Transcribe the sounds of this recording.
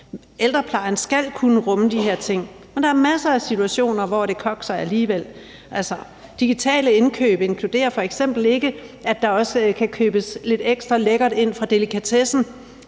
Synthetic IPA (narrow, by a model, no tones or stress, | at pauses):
eld̥ʁɐpʰlɑ̈ɪɐn̩sɡ̥æl̰kʰunəʁɔ̽məd̥iɦeɐ̰t͡sʰe̝ŋ̰ | mend̥ɑ̈æɐmæsɐæsit͡sʰuæɕo̝̰ːnɐʋɒɾ̥e̝kʰɒ̽ɡ̥sɑ̈ɪæliːʋel̰ | ʔælsɐ | d̥iɡ̥it͡sʰɛ̰ːləe̝nkʰø̰ːb̥əe̝nkʰlud̥e̝̰ːɐfɒ̽eɡ̥sem̰b̥l̩e̝ɡ̥əæd̥ɑ̈ɒ̽səkʰækʰøːb̥əsle̝d̥eɡ̥sd̥ʁɐleɡ̥ɐd̥e̝n̰fʁɑ̈d̥e̝likʰæt͡sʰesn̩